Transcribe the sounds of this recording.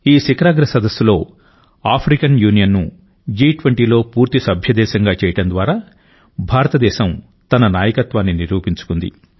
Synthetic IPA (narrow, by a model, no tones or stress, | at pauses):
iːsikɾaːɡɾɐsɐd̪ɐsːulo̞ː | aːpʰɾikɐnjuːnijɐnːu | d͡ʒiːʈʋɐɳʈiːlo̞ːpuːɾt̪isɐbʱjɐd̪ɛːʃɐŋɡaːt͡ʃɛːjɐʈɽɐnd̪ʋaːɾaː | bʱaːɾɐt̪ɐd̪ɛːʃɐm | t̪ɐnɐnaːjɐkɐt̪ʋaːnːiniɾuːpiɲt͡ʃu̥kund̪ḭ